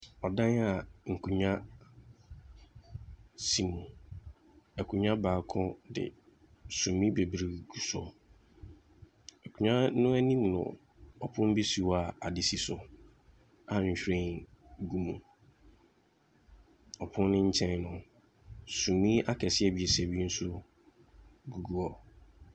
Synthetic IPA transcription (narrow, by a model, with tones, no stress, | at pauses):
ɔ˨dã˦na˨ŋ̩˨kʰũ˨ɲã˦ | si˨mũ˨ | ɛ˨kʰũ˨ɲã˦baː˨kʰʊ̃˦dɪ̰˨ | sũ˨mĩ˦be˨bɾi˨ɡu˨sɔ̰˨ | ɛ˨kʰũ˨ɲã˦nʊ̃˦æ˦nĩ˦mnʊ̰̃˨ | ɔ˨pʰʊ̃˦n˦bi˦si˨wa˨a˨dɪ˨si˨sʊ˨ | a˨ɲ̩˨ɕᶣɾẽ˦nɡu˦mũ˨ | ɔ˨pʰʊ̃˦n˦nɪ̃˦ɲ̩˦t͡ɕʰɛ̃˦nnʊ̃˦ | sũ˨mːĩ˦a˦kʰɛ˨sɪ˦ɛ˦˨bi˨ɛ˨sæ˦bi˦n̩˦sʊ˦ | ɡu˨ɡu˦ɔ˨